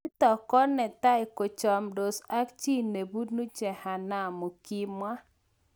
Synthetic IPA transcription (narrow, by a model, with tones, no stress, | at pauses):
t̪ɔ˨kɔ˦nɛ˨t̪a˦ɪ˨ko˨t͡ʃɔ˨mdo˨sa˦kt͡ʃi˦ne˨bu˦d̚nu˦t͡ʃɛ˨ha˨na˨mo˨ki˦mwa˦